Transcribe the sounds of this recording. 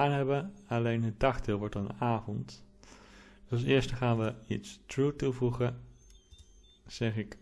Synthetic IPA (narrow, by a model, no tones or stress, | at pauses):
aːnɦɛbənɑlejnɦət̚dɑχdɪːlˠʋɔɹtɑnaːvɔnt | ɑs̬ɪːɹstəχaːnʋəḭtstɹutuvuχə | z̥ɛχɪk